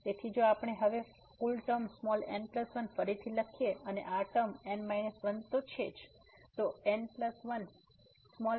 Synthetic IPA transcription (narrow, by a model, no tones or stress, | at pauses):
t̪et̪ʰid͡ʒoapɳ̃eɦəʋe | kulʈəmsmɔlẽɳɖpləsʋənfəɾit̪ʰiləkʰijeənḛʔaʈəmeɳmajnəsʋənt̪ot͡ʃʰed͡ʒ | t̪oenɖpləsʋən | smɔ